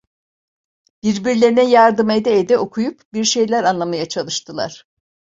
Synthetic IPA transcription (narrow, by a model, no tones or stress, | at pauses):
b̥iɾbiɾlʲe̞ɾinɛjaɾd̪ɯmed̪ɛːd̪ɛo̞kʰujupbiɾʃe̞jlʲæɾanlˠamajat͡ʃʰalˠɯʃt̪ʰɯlˠa̰ɾ̥